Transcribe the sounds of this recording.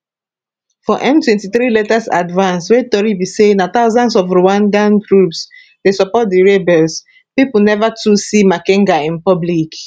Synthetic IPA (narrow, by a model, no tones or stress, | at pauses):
fɔʔɛ̃mtwɛ̃ntiθɾilɛtasa̰dvãnswetɔɹibisenat̪aʊzãnsɔfɹuãndãnɡɹups | desɔpɔt̚diɹebɛls | pipunɛvatʰusimakɛ̃ŋɡaĩnpɔblik